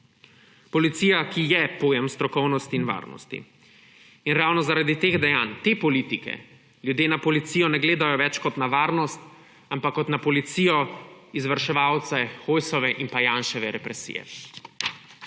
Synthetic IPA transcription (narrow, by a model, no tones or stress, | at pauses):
pɔlit̪sijakijɛpoːjɛmst̪ɾɔkɔwnɔst̪iːnʋa̰ːɾnɔ̰st̪ḭ | inɾaːwnɔzaɾad̪it̪eːɣd̪ɛjaːnt̪eːpɔlit̪ikɛ̰ | lʲjud̪jeːnapɔlit̪siːjɔnɛɡleːd̪ajɔʋɛt͡ʃkɔt̪naʋaːɾnɔst̪ | ampakːɔt̪napɔlit̪siːjɔizʋɐɾʃɛʋawt̪sɛxojsɔʋɛʔinpajanʃɛʋɛɾɛpɾɛsḭːjɛ̰